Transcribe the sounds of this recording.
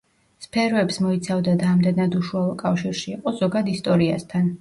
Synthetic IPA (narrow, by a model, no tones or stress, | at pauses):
spʰɛɾɔɛpsmɔit̪sʰavd̪ad̪aːmd̪ɛnad̪uʃualˠɔkʼafʃiɾʃiːqʼɔzɔɡad̪ist̪ʼɔɾiast̪ʰan